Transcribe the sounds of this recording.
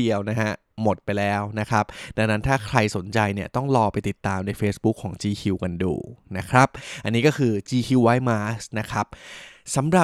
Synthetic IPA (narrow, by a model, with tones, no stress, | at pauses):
i˧əwna˦˥ha˦˥ʔ | mo˨˩t̪̚pa˧jlɛː˦˥wna˦˥kʰɾa˦˥p̚da˧ŋna˦˥nt̪ʰaː˥˩kʰɾa˧jso˨˩˦nt͡ɕa˧jni˥˩ɐt̪ɔ˥˩ŋlɔː˧pa˧jt̪i˨˩t̪ːaː˧mna˧˥jfeː˦˥sbu˦˥kʰːɔː˩˦ŋt͡ɕiː˧kʰi˧wka˧ndṵː˧˩na˦˥kʰɾa˦˥p̚ʔa˧nːiː˦˥kɔː˥˩kʰɯː˧t͡ɕiː˧kʰi˧wːaː˦˥jmaː˦˥sna˦˥kʰɾa˦˥p̚sa˩˦mɾa˨˩